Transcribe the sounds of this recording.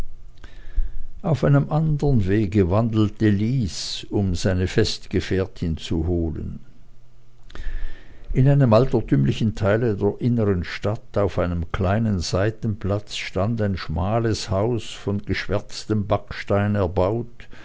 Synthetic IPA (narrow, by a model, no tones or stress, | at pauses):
ʔaʊfaɪnəmʔandəʁənveːɡəvandl̩təliːsʊmzaɪnəfɛstɡ̥əfɛɐtʰɪnt͡suɦoːlə̰n | ʔɪnaɪnəmʔaltɐtʰyːmlɪçn̩tʰaɪlədeːɐʔɪnəʁənʃtataʊfaɪnəmkʰl̥aɪnənzaɪtn̩plat͡sʃtantaɪnʃmaːləshaʊsfɔnɡ̥əʃv̥ɛɐt͡stəmbakʃtaɪnɛɐbaʊt